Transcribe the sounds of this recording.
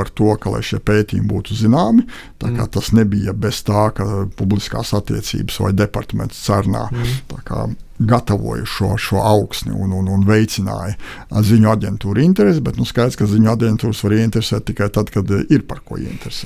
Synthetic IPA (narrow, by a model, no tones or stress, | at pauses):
paɾt̪uɔkalˠa̰jʃiɛpeːt̪ʲḭːjumbuːt̪uzinaːmɪ | t̪aːka̰ːt̪asnebijɐbest̪aːkapublˠiska̰ːsat̪ːḭɛt̪sḭːbsʋa̰jd̪epaɾt̪amʲḛ̃nt̪st̪saɾna̰ːt̪aːkʰa̰ːɡat̪aʋṵɔjuʃuɔʃuɔʔawksnʲḭṵnununvɛjt̪sɪna̰ːjɐziɲuaɟʲɛnt̪uːɾint̪ɛɾesʲbɛt̪nuskajt̪skaziɲuadʲɛnt̪uːɾsʋaɾiɛint̪ɾesɛːt̪ːikajt̪ad̪kad̪iɾpaɾkuɔḭɛḭnt̪ɾesɛːt̪